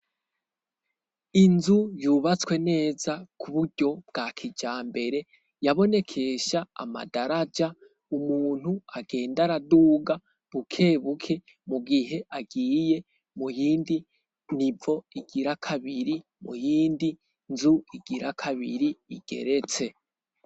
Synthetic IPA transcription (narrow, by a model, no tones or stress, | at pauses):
inzujuːβat͡swe̞ne̞ːzakʰuβuɾɟo̞b̚ɡ̥akʰid͡ʒaːmbe̞ɾe̞ | jaβo̞ne̞kʰe̞ʃaa̰ma̰daɾad͡ʒa | umuːn̥huaɡ̥e̞ːndaɾaduːɡa | βukʰe̞ːβukʰe̞ | muɡiɦe̞ʔaɡiːje̞ | mujiːndi | nivo̞iɡiɾakʰaβiɾi | mṵjiːndi | nzuiɡiɾakʰaβiɾiːɡ̥e̞̰ɾe̞t͡se̞